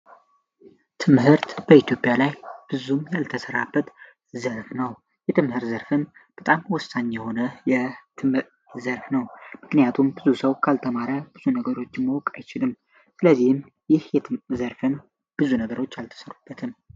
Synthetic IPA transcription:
t̪ʰɨmɦɨɾt̪b̥əit̪ʰjo̞pʼjalajb̥ɨzumjalt̪ʰəsəɾabːət̪ | zəɾfnəw | jɛt̪ʰɨmhɨɾt̪zəɾfɨnb̥ət̪ʼamwɔsaɲːjɛho̞nəjɛt̪ʰɨmhɨ | zəɾfnəwmɨknijat̪ʰumbɨzusəwkʰalt̪ʰəmaɾəb̥ɨz̥unəɡəɾo̞t͡ʃːɪmːəwkʼajt͡ʃɪlɨmː | sɨləzːihɨm | jɪhjɛzəɾfɨn | b̥ɨzunəɡəɾo̞t͡ʃːjalt̪ʰə̥səɾub̥ːət̪ʰɨm

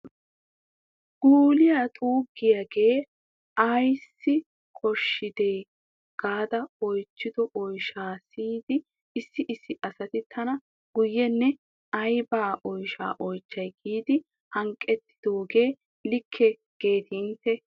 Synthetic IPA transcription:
ɡ̥uːlɪjaːt̪ʼuːɡːɪjaɡe̞ː | ɐjsːɪ | kʰɔʃːɪd̪eː | ɡ̥aːd̪ɐɔjt͡ʃːɪd̪ɔʔɔjʃaːsiːd̪ɪː | sːɪʔɪsːɪʔɐsɐt̪ɪt̪ʰːɐnɐ | ɡ̥ʊjːɛnːɛ | ɐjbaːʔɔjʃa̰ːʔɔjt͡ʃːɐjɡiːd̪ɪ | hɐŋkʼːɛt̪ːɪ̥d̪̥o̞ːɡe̞ː | lɪkʰːɛ | ɡ̥e̞ːt̪iːnt̪ːɛ

